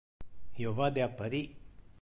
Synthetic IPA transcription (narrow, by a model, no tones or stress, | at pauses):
jovad̪eapːaɾi